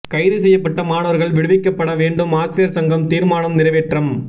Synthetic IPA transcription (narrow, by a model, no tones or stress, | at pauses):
kɐɪðɯsɛjːɐpːɐʈːɐmaːnɐʋɐɾɣɐɭʋɪɽɯʋɪkːɐpːɐɽɐʋeːɳɖɯmaːsɪɾɪjɐɾsɐŋɡɐmt̪iːɾmaːnɐmnɪrɐʋeːʈrɐm